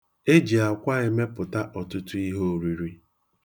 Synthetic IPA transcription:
e˦d͡ʒi˨a˨kʷa˦e˦me˦pʊ˨ta˦ʔɔ˨tʊ˦tʊ˦i˦ɦo˦˨ɾi˨ɾi˦

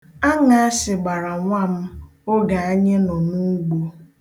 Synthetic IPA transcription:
a˦ŋa˨a˦sɪ˨ɡ͡ba˨ɾa˨ŋʷa˦m̩˦ | o˦ɡa˨a˦ɲe˦nɔ˨nu˦ɡ͡bo˦

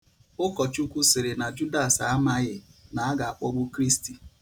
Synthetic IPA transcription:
ʊ˦kɔ˨t͡ʃu˦kʷu˦sɪ˨ɾɪ˨na˨d͡ʒu˦da˨sa˨˦a˦ma˦ɣɪ˨na˨a˦ɡa˨a˨k͡pɔ˦ɡ͡bʊ˦kɾi˦sti˨

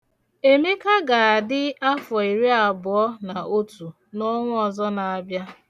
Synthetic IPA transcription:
e˦me˦ka˦ɡa˨a˨dɪ˦a˦fɔ˨i˨ɾi˦a˨bʊ˨ɔ˦na˨ʔo˦tu˨ | nɔ˦ŋʷʊ˦ɔ˨zɔ˦na˨a˨bja˦

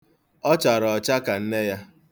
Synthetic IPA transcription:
ɔ˦t͡ʃa˨ɾɔ˨ɔ˨t͡ʃa˦ka˨n̩˦ne˦ja˦

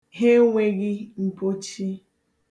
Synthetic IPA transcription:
ɦe˦ŋʷe˦ɣɪ˦m̩˨po˦t͡ʃi˦

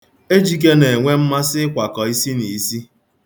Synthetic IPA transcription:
e˦d͡ʒi˨k̬e˦ne˨ŋʷe˦m̩˦ma˦sɪ˦kʷa˨kɔ˨i˦si˦ni˨si˦

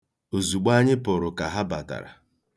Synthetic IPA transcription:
o˨zu˨ɡ͡ba˦ɲɪ˦pʊ˨ɾʊ˨ka˨ɦa˦ba˨ta̰˨ɾa̰˨

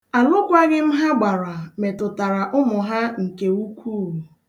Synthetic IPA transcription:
a˨lʊ˦kʷa˦ɡɪ˦m̩˦ɦa˦ɡ͡ba˨ɾa˨me˨tʊ˨ta˨ɾa˨ʔʊ˦mʊ˨ɦa˦ŋ̩˨ke˨u˦kʷuː˦˨u˨

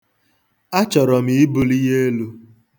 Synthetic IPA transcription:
a˦t͡ʃɔ˨ɾɔ˨mi˨i˦bʊ˨li˦ɦe˦e˦lu˦

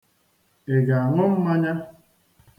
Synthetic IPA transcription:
e˨ɡa˨a˨ŋʊ˦m̩˦ma˦ɲa˦

